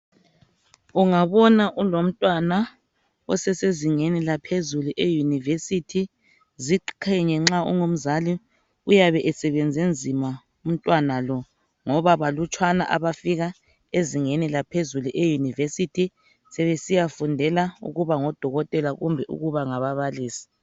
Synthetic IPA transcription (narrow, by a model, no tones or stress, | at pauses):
uŋaβɔnaʔulom̩tʼwana | ɔ̰sɛseziŋɛnilapʰezuluʔejunivesitʰi | ziǃǃʰaɲɛŋ͡ǁaʔṵŋom̩zali | ujaβɛʔɛsɛβend͡zʱend͡zʱima | um̩tʼwanalɔ | ŋɔβaβalut͡ʃʰʼwana̰ʔa̰βafiɣa | eziŋɛnɛlapʰezuluʔejunivesitʰi | sɛβesijafundʱɛlaṵɣuβaŋɔd̥ʱɔɣɔtʼɛlaɣumbʱɛʔṵɣuβaŋaβaβaliːsi̥